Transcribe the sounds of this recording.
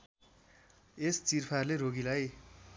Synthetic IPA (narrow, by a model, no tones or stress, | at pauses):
est͡sirpʰarleroɡilaj